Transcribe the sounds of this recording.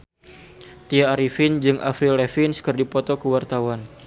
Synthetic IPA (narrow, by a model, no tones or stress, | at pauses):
t̪iaːɾifɪnd͡ʒɨŋʔa̰fɾilɛfinskərdipɔt̪ɔkəwart̪awan